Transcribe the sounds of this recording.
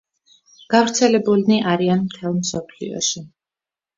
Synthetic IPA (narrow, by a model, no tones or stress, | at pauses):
ɡ̥avɾt̪sʰɛlɛbulniʔaɾianmt̪ʰɛlˠmsɔpʰlḭɔ̰ʃi